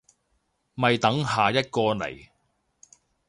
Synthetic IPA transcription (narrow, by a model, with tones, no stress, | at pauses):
mɐ˨jt̪ɐ˨˥ŋɦaː˨jɐ˥t̚kɔː˧nɐ̰˨˩j